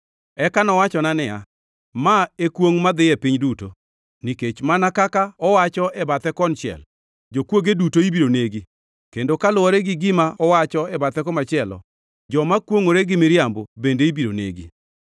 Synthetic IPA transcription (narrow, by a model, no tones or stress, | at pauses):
ɛkanɔwat͡ʃɔnanɪja̰ | maekwoŋmad̪ɪɛpɪɲduto | niket͡ʃmanakakaɔwat͡ʃɔɛbat̪ɛkɔnt͡ʃɛ̰l | d͡ʒokwoɡedutoibiɾoneɡi | kendokalʊwɔɾɛɡɪɡɪmaʔɔwat͡ʃɔɛbat̪ɛkɔmat͡ʃɪɛlɔ̰ | d͡ʒɔmakwoŋoɾeɡɪmɪɾjambobendeibiɾo̰nḛɡi